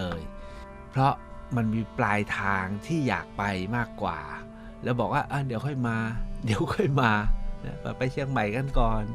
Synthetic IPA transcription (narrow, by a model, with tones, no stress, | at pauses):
ɤː˧j | pʰɾɔ˦˥ma˧nmiː˧plaː˧jt̪ʰaː˧ŋt̪ʰiː˥˩ja̰ː˨˩k̚pa˧jmaː˥˩kːwa̰ː˨˩ | lɛː˦˥wbɔː˨˩k̚waː˥˩ʔaː˧˩di˨˩˦əwkʰɔ˥˩jmaː˧di˨˩˦əwkʰɔ˥˩jmaː˧na̰˦˥ka̰˨˩pa˧jt͡ɕʰi˧əŋma˨˩jka˧nkɔː˨˩n